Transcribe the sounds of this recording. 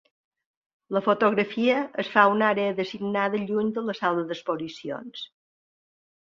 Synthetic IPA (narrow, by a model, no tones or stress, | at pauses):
ləfot̪oɣɾəfiəʔəsfaunaɾeəðəsiɡnaðəʎuɲd̪ələsalˠəðəspozisio̰ns